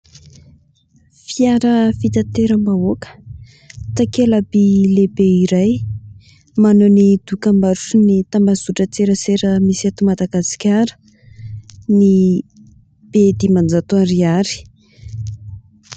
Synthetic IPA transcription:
fiaɾəfit̪at̪eɾəmbaokə̥ | t̪akelabilebeiɾaj | manonid̪ukambaɾuʈ͡ʂunit̪ambazuʈ͡ʂət͡seɾəseɾəmisiat̪umad̪aɡasi̥kʲaɾə̥ | ni | b̥ed̪imand͡zat̪oaɾiaɾi̥

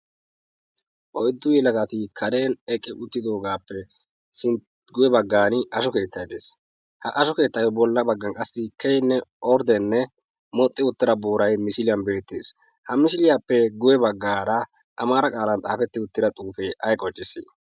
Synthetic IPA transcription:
ʔɔjd̪ːʊjɛlɐɡɐt̪ɪkʰɐɾe̞ːnɛkʼːɪʔʊt̪ːɪd̪o̞ːɡaːpːɛ | sɪn | ɡʊjɛbɐɡːaːnɪʔɐʃɔke̞ːt̪ʰːɐjd̪eːs | hɐʔɐʃɔke̞ːt̪ːɐjɔbɔlːɐbɐɡːɐnkʼɐsːɪkɛjnːɛɔɾd̪ɛnːɛ | mɔt̪ʼːɪʊt̪ːɪɾɐboːɾɐjmɪsɪlɪjɐnbe̞ːt̪ːḛːs | hɐmɪsɪlɪjapːɛɡʊjɛbɐɡːaːɾɐ | ʔɐmaːɾɐkʼaːlɐnt̪ʼa̰ːfɛt̪ːɪʊt̪ːɪd̪ɐt̪ʼuːfeʔɐjkʼɔt͡ʃʼːɪsːɪ̰

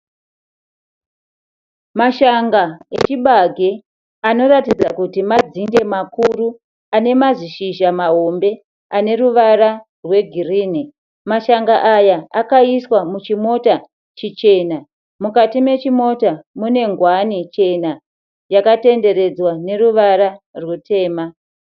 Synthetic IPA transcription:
maʃaŋɡaḛt͡ʃiɓaɡʱe | ano̞ratid͡zakutimad͡zinde̞makuru | ane̞maziʃiʒamaɦo̞mbe̞ | ane̞ruʋara | rwe̞ɡʱiriːni | maʃaŋɡaʔajaakaiswamut͡ʃimo̞ta | t͡ʃit͡ʃe̞na | mukatime̞t͡ʃimo̞tamune̞ŋɡwanit͡ʃe̞na | jakate̞nde̞ɾe̞d͡zwane̞ruʋaɾarwutʰe̞ːma

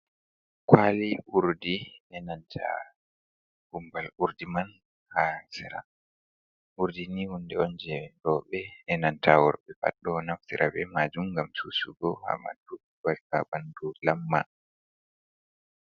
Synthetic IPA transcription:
kwaliʔuɾdiɛnantʰa̰ | humbaluɾdiman | hasɛɾa̰ | ʔuɾdinihundɛɔnd͡ʒɛɾɔɓɛɛnantʰawɔɾɓɛpa̰ɗɔnaftiɾʔa̰bɛmad͡ʒumɡamsusuɡɔha̰ma̰du | balka̰bandulamːa̰

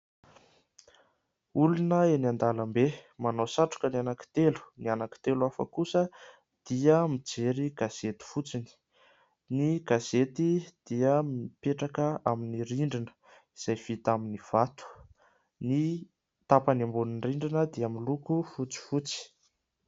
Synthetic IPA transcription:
ulunəeniand̪aləmbemanosaʈ͡ʂu̥kənanaki̥t̪elu̥nianaki̥t̪eluafə̰kusə | d̪̥iəmid͡zeɾiɡ̥az̥et̪i̥fut͡sini̥ | niɡ̥az̥et̪id̪̥iəmipeʈ͡ʂakəaminiɾiɳɖ͡ʐinə̥ | iz̥ajv̥it̪aminiv̥at̪u̥ | ni | t̪apənambuninriɳɖ͡ʐinəd̪iamilukufut͡si̥fut͡si̥

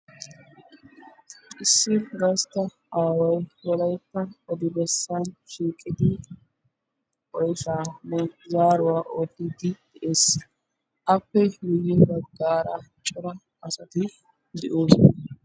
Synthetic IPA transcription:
ʔɪsːɪɡɐɾst̪ɐ | ʔaːwɐjwɔlɐjpːɐɔd̪ɪbɛsːanʃiːkʼːɪd̪ɪ | ɔjfaːnɛzaːɾʊwaːʔɔd̪ɪd̪ɪd̪̥ɛʔeːs | ʔɐpːɛjɪjːɛbɐɡaːɾɐt͡ʃʼɔɾɐ | ɐsɐt̪ɪ | d̪ɛʔoːs

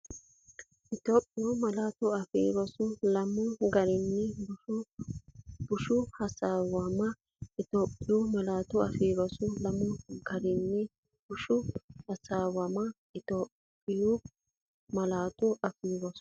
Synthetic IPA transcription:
ʔɪt̪oːpʼːɪjʊmɐlaːt̪ʊɐfḭːɾɔsʊlɐmʊɡɐɾɪnːɪbʊ | b̥ʊʃʊhɐsaːwɐmɐ | ɪt̪oːpʼːɪjʊmɐlaːt̪ʊɐfiːɾɔsʊlɐmʊɡɐɾɪnːɪ | b̥ʊʃʊhɐsaːwɐmɐ | ɪt̪oːppʼːɪjʊ | mɐlaːt̪ʊɐfiːɾɔsʊ̥

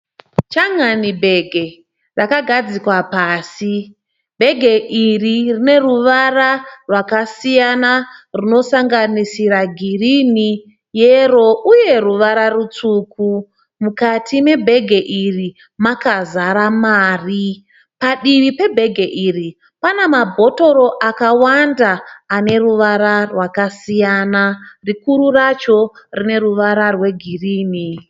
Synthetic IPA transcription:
t͡ʃaŋanibʱe̞ɡʱe̞ | rakaɡʱad͡zikwapaːsi | bʱe̞ɡʱe̞ʔiririne̞ruʋararwakasijanaruno̞saŋɡanisiɾaɡʱirini | jero̞ʔuje̞ruʋaɾarut͡suːku | mukatʰime̞bʱe̞ɡʱeʔiri | makazaɾamaːri | paɗiʋipe̞bʱe̞ɡʱeʔiːri | panemabʱo̞to̞ɾo̞ʔakawandaːne̞ruʋaɾarwakasijanarikuɾurat͡ʃo̞rine̞ruʋaɾarwe̞ɡʱiriːni

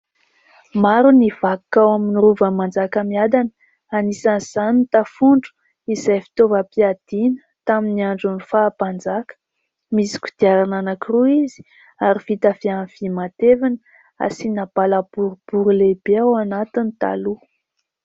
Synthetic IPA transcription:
maɾuniv̥akawaminiruvəmand͡zakəmiad̪an | anisanz̥anit̪afuɳɖ͡ʐu̥ | izajfi̥t̪ovəpiad̪̥inə̥t̪aminiaɳɖ͡ʐunifapand͡zakə̥ | misi̥kʲu̥d̪̥iaɾananakuɾuizi̥ | aɾifit̪afianv̥imat̪evanə | a̰sinab̥alab̥uɾub̥uɾulebeawanat̪init̪a̰lu

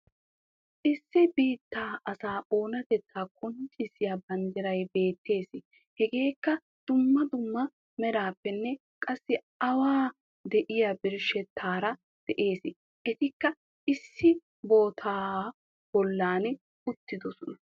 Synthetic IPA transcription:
ʔɪsːɪbiːt̪ːaːʔɐsaːʔo̞ːnɐt̪ɛt͡sːaːkʼʊnt͡ʃʼɪsɪjɐbɐnd̪ɪɾɐjbe̞ːt̪ːe̞ːsɪ | hɛɡe̞ːkːɐ | d̪̥ʊmːɐd̪ʊmːɐ | mɛɾaːpːɛnːɛ | kʼɐsːɪ | ɐwaː | d̪ɛʔɪjabɪɾʃɛt̪ʰːaːɾɐ | d̪̥ɛʔe̞ːsɪ | ʔɛt̪ɪkːɐ | ɪsːɪ | bo̞ːt̪ʰaː | b̥ɔlːaːn | ʊt̪ːɪd̪ɔsɔnɐ

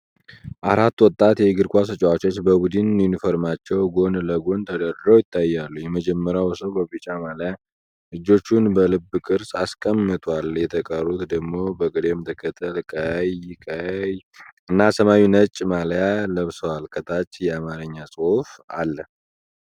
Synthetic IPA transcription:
ʔaɾat̪ːwɔt̪ʼːat̪jɛɡɨɾkʷasɨt͡ʃʼwat͡ʃot͡ʃːbəbud̪ɨnːjunifoɾmat͡ʃːɛwɡo̞nləɡo̞nt̪ʰəd̪əɾɾowjɪt̪ʰːajːalːujɛməd͡ʒɛmːəɾjawsəwbəbɨt͡ʃʼamalja | lɨd͡ʒo̞t͡ʃːunbəlɨbɨkʼɨɾsaskʼəmːɨt̪ʼwaljɛt̪ʰəkʼərːut̪d̪əɡmo̞bəɡʼɨd̪emt̪ʰəkʰət̪ʰːəlkʼajkʼəjɨnːasəmawinət͡ʃʼːmaljaləβsəwalkʰət̪ʰat͡ʃːjɛamaɾɨɲːasʼɨhufa̰lːə

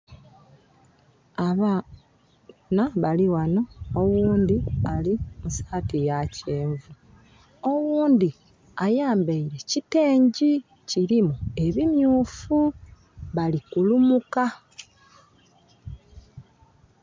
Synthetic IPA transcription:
aβa | naβaliwano̞ːɣuːnd̪ialimusḁːtijaceːɱvu | o̞wuːnd̪i | ajaːmbaiɾe̞cite̞ːɲɟi | ciɾimue̞βimjuːfu | βalikulumuka

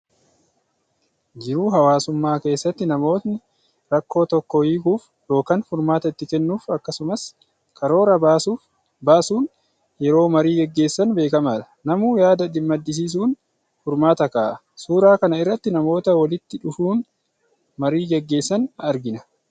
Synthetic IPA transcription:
d͡ʒɪɾuːɦɐwaːsʊmːaːke̞ːsːɐt̪ːɪnɐmo̞ːt̪nɪ | ɾɐkːo̞ːt̪ɔkːɔjiːkuːf | jo̞ːkɐnfʊɾmaːt̪ɐɪt̪ːɪkɛnːuːfɐkːɐsʊmɐs | kʰɐɾo̞ːɾɐbu | baːsuːn | jɛɾo̞ːmɐɾiːɡɛɡːe̞ːsːɐnbe̞ːkɐmaːᶑɐnɐmuːjaːd̪ɐᶑ̪ɪmːɐd̪ːɪs̬iːs̬uːn | fʊɾmaːt̪ɐkaːʔɐ | suːɾaːkɐnɐɪrːɐt̪ːɪnɐmo̞ːt̪ɐwɐlɪt̪ːɪᶑʊfuːn | mɐɾiːɡɛɡːe̞ːsːɐnɐɾɡɪnɐ

